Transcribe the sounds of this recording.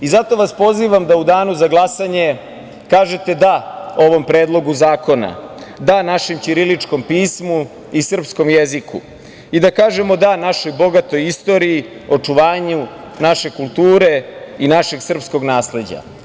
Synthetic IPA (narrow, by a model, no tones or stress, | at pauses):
izat̪o̞ʋaspo̞ziʋamd̪aud̪aːnuzaɡlˠasaɲe̞ | kaːʒet̪e̞d̪ao̞ʋo̞mpɾe̞ːd̪lˠo̞ɡuzaːko̞na̰d̪anaʃemt͡ɕiɾilit͡ʂko̞mpiːsmu | isr̩psko̞mjezikṵ | id̪akaːʒe̞mo̞d̪anaʃo̞jbo̞ɡat̪o̞jist̪o̞ɾiio̞t͡ʂuʋaːɲu | naʃe̞kulˠt̪uːɾe̞inaʃe̞ɡsr̩psko̞ɡnaːsle̞d͡ʑa̰